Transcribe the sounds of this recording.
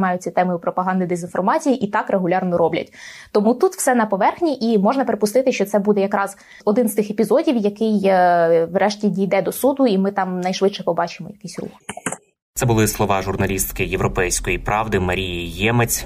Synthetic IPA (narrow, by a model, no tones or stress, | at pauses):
mɑjʊt͡sʲɐt̪ɛmʊjʊpɾɔpɐɦɑnd̪ɪd̪ezʲinfɔrmɑt͡sʲijiʔit̪ɑkɾʔeɦʊlʲɑrnɔɾɔblʲɐ̰tʲt̪ɔmut̪ut̪w̥sɛnɐpɔʋɛrxnʲiʔimɔʒnɐpeɾepʊst̪ɪt̪ɪʃt͡ʃɔt̪sɛbud̪ɛjɐkɾɑz | ɔd̪ɪnst̪ɪxepʲizɔdʲiwjɐkɪj | ʋrʔɛʃtʲidʲijd̪ɛd̪ɔsud̪ʊimɪt̪ɑmnɐjʃʋɪtʃɛpɔbɑt͡ʃɪmɔjɐkɪsʲrṵx | t̪sɛbʊlˠɪslˠɔʋɑʒʊrnɐlʲist̪kɪjeʋɾɔpɛjsʲkɔjipɾɑʋd̪ɪmɐɾʲijijɛmet͡sʲ